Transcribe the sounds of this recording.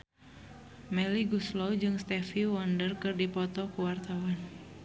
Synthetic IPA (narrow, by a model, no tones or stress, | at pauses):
mɛliɡuslɔwd͡ʒɨŋst̪ɛfiwɔndərkɨrdipɔt̪ɔkuwart̪awan